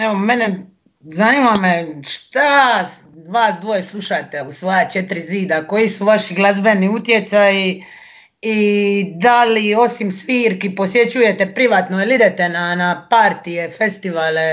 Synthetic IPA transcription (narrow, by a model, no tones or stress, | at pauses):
eʋome̞ne | zaniːmameʃt̪a | ʋaːsd̪ʋo̞jeslˠuʃat̪eusʋojat͡ʃe̞t̪ɾiziːd̪ako̞jisuʋaʃiɡlˠazbe̞niut̪je̞t̪saji | id̪alio̞simsʋiːɾkipo̞sje̞t͡ɕuje̞t̪epɾiʋaːt̪noelid̪et̪enanapaɾt̪ije̞fest̪iʋaːle